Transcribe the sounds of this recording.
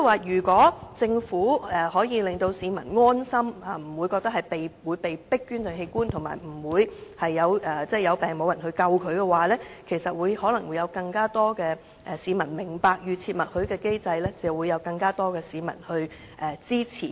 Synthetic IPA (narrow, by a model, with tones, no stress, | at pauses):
waː˨jyː˨˩kʷɔː˨˥t͡sɪ˧ŋfuː˨˥ɛː˨hɔː˨˥jiː˨˧lɪ˨ŋt̪o˧wsiː˨˧mɐ˨˩nŋɔː˥nsɐ˥maː˨m̩˨˩wuː˨˧jkɔː˧k̚t̪ɐ˥hɐ˨jpe˨jwuː˨˧jpe˨jpɪ˥kːyː˥nt͡sɪ˨˩ŋɦe˧jkuː˥nt̪ʰo˨˩ŋma̰ː˨˩jm̩˨˩wuː˨˧jhɐ˨jːɐ˨˧wʔɛː˨t͡sɛː˥jɐ˨˧wpɛː˨ŋmo˨˧wjɐ˨˩nhɵ˧ɥkɐ˧wkʰɵ˨˧ɥkɛː˧waː˨lɛː˥kʰe˨˩jsɐ˨t̚wuː˨˧jhɔː˨˥lɐ˨˩ŋwu˨˧jɐ˨˧wkɐ˧ŋkaː˥t̪ɔː˥kɛː˧ | ʔɛ˨˩siː˨˥mɐ˨˩nmɪ˨˩ŋpaː˨˧k̚jyː˨˧t͡sʰiː˧t̚mɐ˨t̚hɵ˨˧ɥkɛː˧ke˥jt͡sɐ˧jlɛː˥t͡sɐ˨˩wuː˨˧jːɐ˨˧wkɐ˧ŋkaː˥t̪ɔː˥kɛː˧siː˨˧mɐ̰˨˩nhɵ˧ɥ | ʔɛː˨˩t͡siː˥t͡sʰḭː˨˩